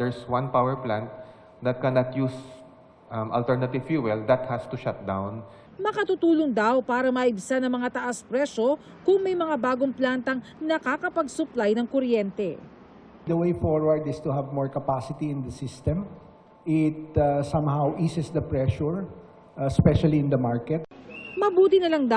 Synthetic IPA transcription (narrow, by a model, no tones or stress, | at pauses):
dɛɹswãnpawɛɹplãnt̪̚ | d̪ɐt̪̚kɛnat̪jus | mʔɐ̰lt̪ɛɹnɐt̪ɪvfjuɛld̪ɐt̪̚hast̪uʃat̪̚d̪awn | mɐkɐt̪ut̪uːlʊŋd̪awpaːɾɐmɐʔɪbsanɐŋmɐŋat̪ɐʔaspɾɛʃo̞ | kʊŋmɐjmɐŋabaːɡoŋplaːnt̪ɐŋnɐkakɐpɐɡsʊplajnɐŋkoɾjɛnt̪ɛ | d̪ɐwejfɔɹwɐɹd̪ɪst̪uɦɐvmɔɹkɐpasɪt̪iɪ̃nd̪ɐsɪst̪ɛ̃m | ɪt̪sãmhawʔiːsɛsd̪ɐpɹɛʃuɹ | spɛʃɐliɪ̃nd̪ɐmaɹkɛt̪̚mɐbuːt̪ɪnɐlaŋd̪a